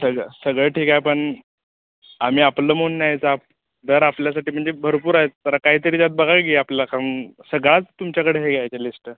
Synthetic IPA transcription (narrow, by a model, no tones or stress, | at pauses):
səɡɭəsəɡɭeʈʰiːkajpəɳ | am̤iːapləːmonːaɦjt͡sap̚ | d̪əɾapljas̬aʈiːm̤əɳd͡zebʱəɾpuːɾaɦet̪̚t̪ːəɾakaɦiːt̪əɾiːd͡zat̪̚bəɡʱakɡiaplakamsəɡɭat͡st̪ːumt͡ɕjakəɽeɦeɡʱjajt͡ɕelisʈə